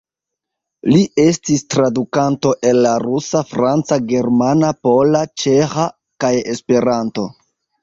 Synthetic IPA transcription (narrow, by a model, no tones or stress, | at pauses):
liʔe̞stistɾadukanto̞ʔe̞nːaɾusafɾant͡saɡe̞ɾmanapo̞lat͡ʃeha | kaje̞spe̞ɾanto̞